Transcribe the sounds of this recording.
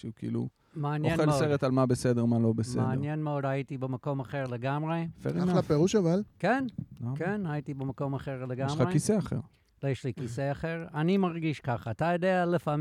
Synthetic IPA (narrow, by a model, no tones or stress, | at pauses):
ʃukḭlṵ | meanjenelsoeʁetalmabesedeʁmalo̞beseḛanjenmeodajitibemako̞maχeʁleɡamʁefḛʁinlapeʁuʃavalkenkenhaitibemako̞maχeʁleɡamaekiseaχḛʁ | ljɛʃlikiseaχeʁanimaʁɡiʃkaχaːtajodealefam